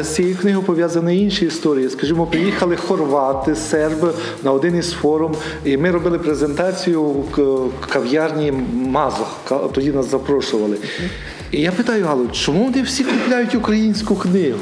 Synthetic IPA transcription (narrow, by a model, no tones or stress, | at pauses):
t͡sʲijiknɪɦʊpɔʋʲjazɐnɐinʃiist̪ɔɾʲijiskɐʒimɔpɾɪjixɐlˠɪxɔrʋɑt̪ɪsɛrb | nɐɔd̪ɪnisfɔɾʊm | imɪɾɔbɪlˠɪpɾezent̪ɑt͡sʲijʊ | kɐwjɑrnʲimɑzɔhkt̪ɔdʲinɑszɐpɾɔʃʊʋɐlˠɪ | ijapɪt̪ɑjʊɦɑlˠɔt͡ʃɔmuʋɔnɪwsʲikʊplʲajʊtʲukɾɐjinʲsʲkʊknɪɦʊ